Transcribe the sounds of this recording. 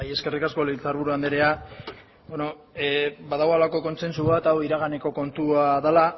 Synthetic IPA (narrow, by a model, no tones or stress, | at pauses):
je̞ske̞rikasko̞lit͡saɾβ̞uɾuand̪eɾe̞a | beno̞ | baðaɣalako̞ko̞nse̞nsuβat̪awiɾaɣ̞ane̞ko̞ko̞nt̪uaðala